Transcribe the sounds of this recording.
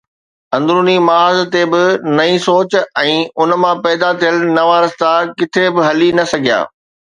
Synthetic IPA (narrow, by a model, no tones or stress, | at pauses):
ɐ̃nd̪ɾuːnimaːzt̪ebɪnɐĩsoːt͡ɕɛ̃ːʊnmãpɛːd̪at̪ʰijəlnɐʋaːɾəst̪akɪt̪ʰebɪɦɐlinɐsɐɡʱija̰ː